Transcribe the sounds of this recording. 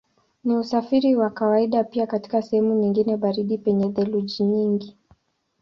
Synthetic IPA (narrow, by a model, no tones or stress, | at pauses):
niusafiɾiwakawaiɗapiakati̥kasɛhɛmuɲiŋɡinɛɓaɾiɗipɛɲɛðɛluʄiɲiŋɡi